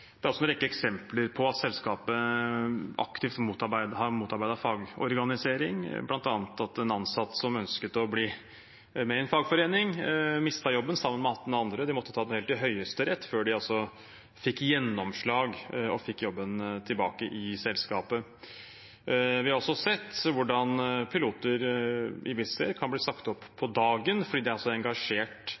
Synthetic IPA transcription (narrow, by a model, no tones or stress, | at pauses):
d̪ɛæɾɑsɔnɾɛkːəɛksɛmpləɾpʰɔɑt̪sɛlskɑːpə | ɑ̰kt̪ʰɪft̪muːt̪ɑbæɪd̪hɑɾmuːt̪ɑɾbæɪd̪ɑfɑːɡɔ̰ɾɡɑnɪseːɾɪŋblɑnt̪ɑːnət̪ɑt̪ɛnɑnsɑt̪ːsɔmœnskət̪ɔbliː | mɛɪɛnfɑːɡfɔɾeːnɪŋmɪst̪ɑjɔbːənsɑmːənmɛɑt̪ːnɑnd̪ɾəd̪ɪmɔt̪ːət̪ʰɑːd̪ɛhɛːlt̪ɪɦœʏəst̪əɾɛt̪ːføːɖɪɑlsɔ | fɪkːjɛnːɔmʂɭɑːɡɔfɪkːjɔbːənt̪ʰɪlbɑ̰ːkəʔɪsɛlskɑːpə | ʋɪhɑɾɔsɔsɛt̪ːʋʊɖɑnpʰɪluːt̪əɾʔɪ̰ʋɪsə̰ɾkʰɑnbliːsɑkt̪ɔpːʰɔd̪ɑːɡənfɔɖiːd̪ɛæɾɑlsɔɛŋɡɑʂeːʈ